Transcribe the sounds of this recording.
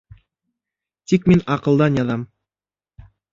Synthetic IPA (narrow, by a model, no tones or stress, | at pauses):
t̪ik̚menɑqə̆lˠd̪ɑnjɑðɑm